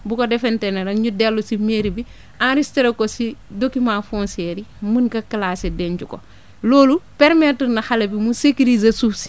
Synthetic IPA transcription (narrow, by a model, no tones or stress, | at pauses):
bukodɛfɛntenɐɾɐŋɲudɛlːusimeɾibi | ãnɾistiɾɐkosidokːimaːfɔ̃nsɛɾimənkɐkɐlaːsedɛɲt͡ʃuko̰ | loːlupɛɾmetəɾnɐxalɐbimusekiɾizɐsufsi̥